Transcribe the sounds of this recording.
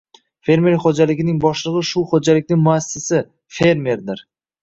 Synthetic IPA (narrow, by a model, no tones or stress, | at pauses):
fe̞ɾme̞ɾχod͡ʒalɪɡʲɪnɪŋbɒʃlˠɨʁɨʃʊχod͡ʒalɪkʲnɪŋmʊasːɪsɪ | fe̞ɾme̞ɾd̪ɪɾ